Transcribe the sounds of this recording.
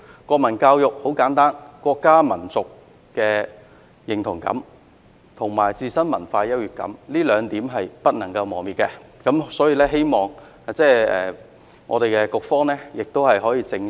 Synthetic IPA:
kʷɔː˧k̚mɐ˨˩nkaː˧wjʊ˨k̚ho˨˥wkaː˨˥nt̪aː˥nkʷɔː˧kːaː˥mɐ˨˩nt͡sʊ˨k̚ | kːɛː˧ | jɪ˨˩ŋt̪ʰʊ˨˩ŋkɐ̰˨˥m | t̪ʰʊ˨˩ŋmaː˨˩jt͡siː˧sɐ˥nmɐ˨˩nfaː˧jɐ˥t̚jyː˨˩t̚kɐ̰˨˥mliː˥lœː˨˧ŋt̪iː˨˥mɦɐ˨jpɐ˥t̚nɐ˨˩ŋkɐ˧wmɔː˨˩miː˨t̚kɛ˧kɐ˨˥msɔː˨˥jiː˧lɛː˥ɦe˥jmɔː˨˩ŋː˨ | t͡sɛː˥˩ɛː˨˩ | ŋʔɔ̰˨˧t̪e˨jkɛ˧kʊ˨k̚fɔː˥ŋnɛː˥jɪ˨k̚t̪o˥whɐ˨jɦɔː˨˥jiː˧t͡sɪ˧ŋ

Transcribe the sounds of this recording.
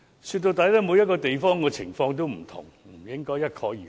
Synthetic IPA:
syː˧t̪̚o˧wt̪aː˨˥ja˥t̪ɐ˥mo˨˧jɐ˥t̚kɔː˧t̪e˨jfɔː˥ŋkɔː˧t͡sʰɪ˨˩ŋfɔː˧ŋt̪̬o˥wm̩˨˩t̪ʰʊ̰˨˩ŋm̩˨˩jɪ˥ŋkɔː˥jɐ˥t̚kʰɔː˨˥jiː˨

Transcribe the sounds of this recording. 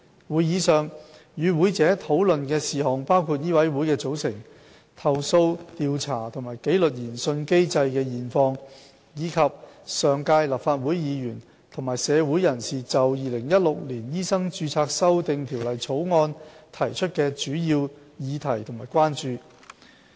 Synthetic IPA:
wuː˨˧jiː˨˧sœː˨˩ŋ | jyː˨˧wu˨˥jt͡sɛː˨˥t̪ʰo˨˥wlɵ˨nkɛː˧siː˨hɔː˨˩ŋpaː˥wkʰuː˧t̚jiː˥wɐ˨˥jwu˨˥jkɛː˧t͡so˨˥wsɪ˨˩ŋ | t̪ʰɐ˨wso˧wt̪iː˨˧wt͡sʰaː˨˩t̪ʰʊ˨˩ŋmaː˨˩jke˨˥jlɵ˨t̚jiː˨˩nsɵ˧nke˥jt͡sɐ˧jkɛː˧jiː˨˩nfɔː˧ŋ | jiː˨˧kʰɐ˨p̚sœː˨ŋkaː˧jlaː˨˩p̚faː˧t̚wuː˨˥jjiː˨˧jyː˨˩n | t̪ʰʊ˨˩maː˨˩jsɛː˨˧wu˨˥jɐ˨˩nsiː˨t͡sɐ˨wjiː˨lɪ˨˩ŋjɐ˥t̚lʊ˨k̚liː˨˩njiː˥sɐ˥ŋt͡ʃyː˧t͡sʰaː˧k̚sɐ˥wt̪ɪ˨ŋt̪ʰiː˨˩wlɐ˨˩jt͡sʰo˨˥wŋɔː˧nt̪ʰɐ˨˩jt͡ʃʰɵ˥t̚kɛː˧t͡ʃyː˨˥jiː˧w | jiː˨˧t̪ʰɐ˨˩jt̪ʰʊ˨˩maː˨˩jkʷwaː˥nt͡ʃyː˨

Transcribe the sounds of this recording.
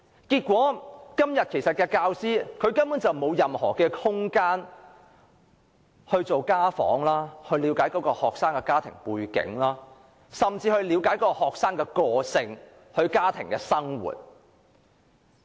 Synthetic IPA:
kiː˧t̚kʷwɔː˨˥kɐ˥mjɐ˨t̚kʰe˨˩jsɐ˨t̚kɛː˧kaː˧wsiː˥kʰɵ˨˧ɥkɐ˥npuː˨˥nt͡sɐ˨wmo˨˧wjɐ˨mhɔ̰ː˨˩kɛː˧hʊ˥ŋkaː˥n | hɵ˧ɥt͡so˨wkaː˥fɔ̰ː˨˥ŋlaː˥hɵ˧ɥliː˨˧wkaː˨˥jkɔː˨˥kɔː˧hɔː˨k̚saː˥ŋkɛ˧kaː˥t̪ʰɪ̰˨˩ŋpuː˧jkɪ̰˨˥ŋlaː˥ | sɐ˨mt͡siː˧hɵ˧ɥliː˨˧wkaː˨˥jkɔː˧hɔː˨k̚saː˥ŋkɛː˧kɔː˧sɪ˧ŋ | hɵ˧ɥkaː˥t̪ʰɪ˨˩ŋkɛː˧sɐ˥ŋwṵː˨˩t̚

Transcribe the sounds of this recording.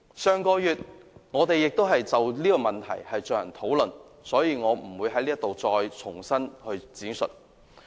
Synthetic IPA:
sœː˨˧ŋkɔː˧jyː˨t̚ŋɔː˨˧t̪e˨jːɪ˨k̚t̪o˥wɦɐ˨jt͡sɐ˨wliː˥kɔː˧mɐ˨nt̪ʰɐ̰˨˩jhɐ˨jt͡ʃœː˨jɐ˨˩nt̪ʰo˨˥wlɵ˨n | sɔː˨˥jiː˨˧ŋɔː˨˧m̩˨˩wuː˨˧jɦɐ˨˥jliː˥ɐ˥t̪o˨wt͡sɔː˧jt͡sʰʊ˨˩ŋsɐ˥nhɵ˧ɥt͡siː˨˥nsɵ̰˨t̚

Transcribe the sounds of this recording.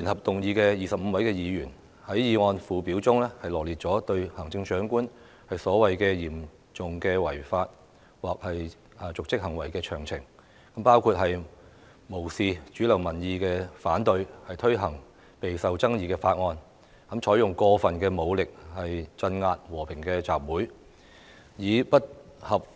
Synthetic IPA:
liː˨˩nhɐ˨p̚t̪ʊ˨ŋjiː˧kɛː˧jiː˨sɐ˨p̚m̩˨˧wɐ˨˥jkɛː˧jiː˨˧jyː˨˩n | hɐ˨˥jjiː˧ŋɔː˧nfuː˨˧piː˨˥wt͡sʊ˥ŋlɛː˥hɐ˨jlɔː˨˩liː˨t̚t͡ʃɔː˨˥t̪ɵ˧ɥhɐ˨˩ŋt͡sɪ˧ŋt͡ʃœː˨˥ŋkuː˥n | hɐ˨jsɔː˨˥wɐ˨jkɛː˧jiː˨˩m | t͡sʊ˨ŋkɛː˧wɐ˨˩jfaː˧t̚ | waː˨˩k̚hɐ˨j | t͡sʊ˨k̚t͡sɪ˥k̚hɐ˨˩ŋwɐ˨˩jkɛː˧t͡ʃʰœː˨˩ŋt͡sʰɪ˨˩ŋ | kɐ˨˥mpaː˥wkʰuː˧t̚ɦɐ˨j | mo˨˩wsiː˨t͡ʃyː˨˥lɐ˨˩wmɐ˨˩njiː˨˧kɛː˧faː˨˥nt̪ɵ˧ɥhɐ˨jt̪ʰɵ˥ɥɦɐ˨˩ŋ | pe˨jsɐ˨wt͡sɐ˥ŋjiː˨˧kɛː˧faː˧t̚ŋɔː˧n | kɐ˨˥mt͡ʃʰɔː˨˥jʊ˨ŋkɔː˧fɐ˨nkɛː˧mo˨˧wlɪ˨k̚hɐ˨jt͡sɐ˧nŋaː˧t̚wɔː˨˩pʰɪ˨˩ŋkɛː˧t͡saː˨p̚wuː˨˥j | jiː˨˧pɐ˥t̚hɐ˨p̚

